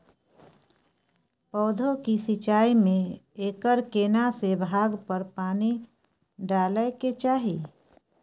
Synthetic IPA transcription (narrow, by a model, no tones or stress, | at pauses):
pɔːd̪ʱõkisɪt͡ʃaːimẽeːkəɾkeːnasebʱaːɡpəɾpaːni | ɖaːləket͡ʃaːɦiː